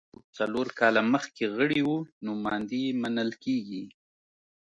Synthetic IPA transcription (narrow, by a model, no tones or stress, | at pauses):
t͡saloɾkɑlaməxkeɣəɽiwunʊmɑnd̪imanəlkeɡi